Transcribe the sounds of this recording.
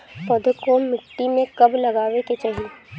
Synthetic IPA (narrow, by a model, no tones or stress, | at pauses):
pəd̪ʱkomɪʈːimẽkɐblɐɡaːʋeket͡ʃaːɦie